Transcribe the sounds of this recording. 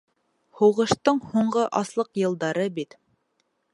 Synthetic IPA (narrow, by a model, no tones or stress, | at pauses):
huwʁɤ̆ʃt̪ɤɴhuɴɢɤʔɑslˠɤqjɤ̆lˠd̪ɑɾɤbit̪